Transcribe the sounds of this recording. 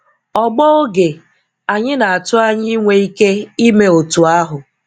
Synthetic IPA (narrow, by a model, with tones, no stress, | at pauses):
ɔ˨ɡ͡bɔ˦o˦ɡe˨ | a˨ɲɪ˦na˨a˨tʊ˦a˦ɲɪ˦ŋʷe˨i˦ke˦i˦me˦o˨tu˨a˦ɦʊ˨